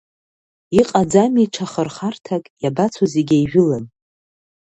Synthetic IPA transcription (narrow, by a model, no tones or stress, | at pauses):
iqʼad͡zamiʈ͡ʂʰaχərχartʰakʼjabat͡sʰazeɡʲajʒᶣʊlan